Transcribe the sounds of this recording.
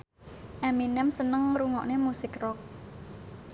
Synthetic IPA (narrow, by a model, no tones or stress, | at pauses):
ʔaminɛmsənəŋɾuŋɔʔnemusɪkrɔk̚